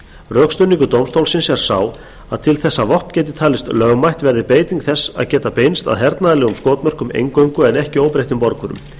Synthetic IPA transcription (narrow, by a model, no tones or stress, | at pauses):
rœːkst̪ʏniŋkʏt̪oːwmst̪owlsɪnsɛɾ̥saːw | aðt̪ʰɪlθɛsːavɔhpcɛːt̪ɪ̥t̪ʰaːlɪst̪lœɣmajht̪vɛɾðɪpeːjt̪iŋkθɛsːa̰ðcɛːt̪apejnst̪a̰ðɦɛɾt̪naðalɛɣʏmskoːwt̪mœr̥kʏmḛjŋkœɥŋkʏɛnɛhcɪoːwpɾejht̪ʏmpɔɾkʰʏɾʏ̰m